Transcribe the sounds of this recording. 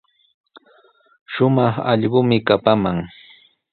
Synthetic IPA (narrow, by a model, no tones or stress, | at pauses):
ʃʊmɑχɑ̰ʎɢʊmɪkapamaŋ